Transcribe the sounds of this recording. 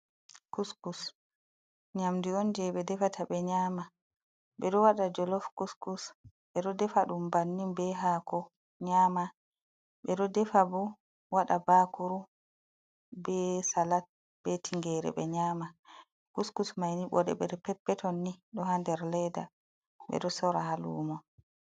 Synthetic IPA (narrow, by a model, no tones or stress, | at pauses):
kuskus | ɲamdiɔnd͡ʒɛɓɛdɛfatʰaɓɛɲaːma | ɓɛɗɔwaɗad͡ʒɔlɔfkuskus | ɓɛɗɔdɛfaɗumbanːimbɛɦaːkʰɔ | ɲama | ɓɛɗɔdɛfabɔ | waɗabakuɾu | bɛsalat̚ | bɛtʰiŋɡɛɾɛ̰ɓɛɲama | kuskusmajniɓɔdɛ̰ɓɛɗɔpɛpːɛtʰɔnːiɗɔhandɛɾlɛjda̰ | ɓɛ̰ɗɔsɔɾahalṵːmɔ